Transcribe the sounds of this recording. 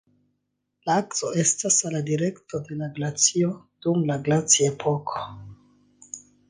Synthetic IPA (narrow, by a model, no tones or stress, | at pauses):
laakt͡soe̞stasaladiɾe̞ktode̞laɡlat͡sio | d̥umlaɡlat͡siaepʰo̞kʰo̥